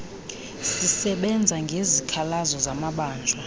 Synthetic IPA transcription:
sisɛɓɛnd͡zʱaŋɡʱezikʰalazɔzamaɓaːnd͡ʒʱa

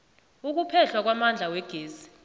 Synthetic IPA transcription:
uk̬upʰɛɬwak̬wamand͡ɮʱawɛɡ̥ʱeːzi

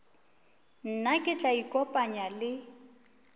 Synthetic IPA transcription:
n̩nakʼɪt͡ɬʼaikʼɔpʼaɲalɪ

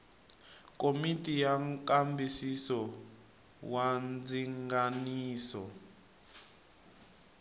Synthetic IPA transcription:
komitʼijaŋkambisisɔ | wand͡ziŋɡaniːsɔ

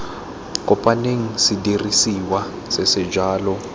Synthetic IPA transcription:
kʼɔpʼaneŋ̩sidirisiwa | sɛsɛd͡ʒaːlɔ

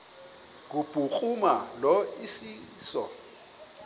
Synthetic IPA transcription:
k̬ub̥ʱʼuk͡xumalɔisiːsɔ̰

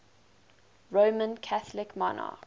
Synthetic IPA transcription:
ɹoːmə̃nkʰaθlɪkmɔnɑ̰k

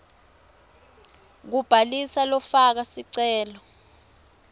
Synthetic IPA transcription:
k̬ub̥ʱalisalɔfak̬asiǀɛːlɔ

